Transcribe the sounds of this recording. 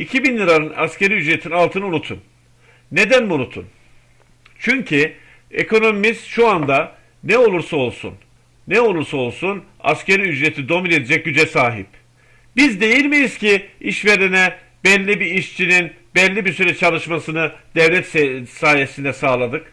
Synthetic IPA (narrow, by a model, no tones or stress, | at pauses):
icʰibinlʲˠiɾaɾɯna̰sce̞ɾiyd͡ʒɾe̞t̪ʰinalˠt̪ʰɯnunut̪ʰun | ne̞d̪ænbunut̪ʰṵn | t͡ʃʰyɲcʰi | ekʰo̞no̞mimizt̪ʃuand̪a | nɛo̞lˠuɾsao̞lˠsṵn | nɛo̞lˠuɾsao̞lˠsun | a̰sce̞ɾiyd͡ʒɾe̞t̪ʰid̪o̞mine̞d̪ed͡ʒɛc̚ɟyd͡ʒɛsaːɦḭp | bizd̪e̞jilʲmijiz̥cʰiiʃve̞ɾenɛ | bɛlʲːibiiʃt͡ʃʰinin | bɛlʲːibiɾsyɾɛt͡ʃʰalˠɯʃmasɯnɯd̪̥ɛvlʲɛt̪saːje̞sind̪ɛsaːlˠad̪ɯk